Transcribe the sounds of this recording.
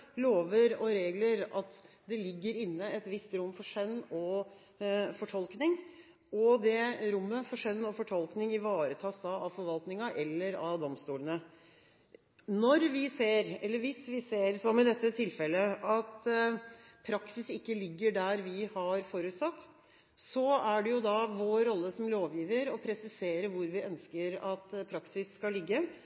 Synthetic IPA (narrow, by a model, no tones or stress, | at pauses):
loːʋəɾɔɾeːɡləɾɑt̪ | d̪ɛlɪɡːəɾɪnːəɛt̪ʋɪst̪ɾʊmːfɔʂœnːɔ | fɔʈʰɔlknɪŋ | ɔd̪ɛɾʊmːəfɔʂœnːɔfɔʈʰɔlknɪŋɪʋɑːɾət̪ʰɑːsd̪ɑɑʋfɔɾʋɑlt̪nɪŋɑʔɛlːəɾɑʋd̪ɔmst̪uːlənə | nɔɾʋɪseːɾɛlːəʋɪsʋɪseːɾsɔmɪd̪ɛt̪ːət̪ʰɪlfɛlːəɑt̪ | pʰɾɑksɪsɪkːəlɪɡːəɖæɾʋɪhɑɾfoːɾʉːt̪sɑt̪ː | sɔæɖɛjʊd̪ɑʋoːɾɔlːəsɔmloːʋjiːʋəɾɔpʰɾɛsɪseːɾəʋʊɾʋɪʔœnskəɾɑt̪pʰɾɑksɪsːkɑlːɪɡːə